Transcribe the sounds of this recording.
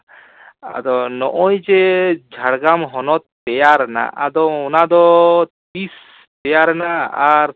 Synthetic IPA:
a̰d̪ɔnɔʔɔjd͡ʒed͡ʒʱaɽɡamɦɔnɔt̪̚ːɛjaɾna̰ʔa̰d̪ɔɔnad̪ɔt̪is | t̪ɛjaɾnaːɾ

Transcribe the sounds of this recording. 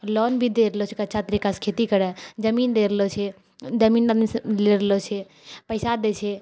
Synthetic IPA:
lɔːnbʱid̪eɾlot͡ʃʰekɐːt͡ʃʰat̪əɾikaskʰeːt̪ikəɾɛd͡ʒəmiːnd̪eɾlot͡ʃʰe | d͡ʒəmiːnleɾelot͡ʃʰe | pəɪsad̪eːt͡ʃʰe

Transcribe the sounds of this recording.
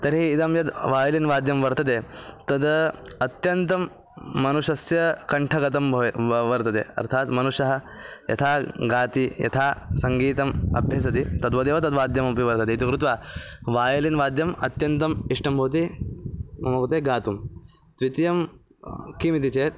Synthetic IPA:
t̪ɐɾɦiːd̪ɐmjɐd̪ʋaːjɐlinʋaːd̪jɐmʋɐɾt̪ɐt̪eːt̪ɐd̪ɐt̪jɐnt̪ɐmː | ɐnuʃɐsjɐkɐɳʈʰɐɡɐt̪ɐmbʋɐɾt̪ɐt̪ḛːɐ̰ɾt̪ʰaːt̪mɐnuʂɐɦɐ̆ | jɐ̰t̪ʰaːɡaːt̪ijɐ̰t̪ʰaːsɐŋɡiːt̪ɐmɐ̰bʱjɐs̬ɐt̪it̪ɐd̪ʋɐd̪eːʋɐt̪ɐd̪ʋaːd̪jɐmɐpiʋɐɾt̪ɐt̪eit̪ikɾut̪ʋaːʋaːjɐlinʋaːd̪jɐmɐt̪jɐnt̪ɐmiʂʈɐmbʱɐʋt̪̬i | mɐmɐʋɐt̪eːɡaːt̪um | t̪ʋit̪jɐm | kimit̪it͡ʃeːɾ

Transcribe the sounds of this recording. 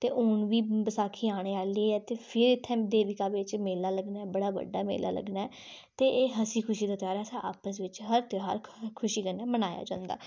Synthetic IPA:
t̪eːʔoːnʋiːbəsaːkʰiːaːɽ̃eːaːliːɛːt̪eːpʰɪɾɪt̪ʰːɛ̃ːd̪eːʋɪkaːʋɪt͡ʃmeːlaːləɡnaːɛːbəɽaːʋə̰ɖːaːmḛːla̰ːlə̰ɡnaːɛː | t̪eːʔeːɦəsiːkʰʊʃiːd̪aːt̪ɪjaːɾɛːsãʔa̰ːpəs̬ʋɪt͡ʃɦəɾt̪ɪaːɾkʰʊʃiːkənːɛːmənaːja̰ːd͡ʒã̰ːnd̪a̰ː

